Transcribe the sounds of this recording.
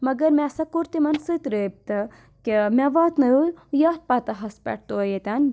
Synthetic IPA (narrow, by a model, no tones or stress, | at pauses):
mɐɡɐɾmʲasɐkuɾt̪imɐnsɨt̪ɾeːb̚t̪ɐ | kemʲaʋaːt̪nɐjuljɐt̪̚paːt̪ɐɦɐspʲɛ̰ʈ̚ʰt̪oɐjet̪ʲan